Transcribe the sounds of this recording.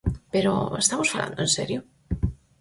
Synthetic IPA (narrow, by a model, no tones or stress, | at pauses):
peɾo̰ḛst̪amosfala̰nd̪oẽnseɾjo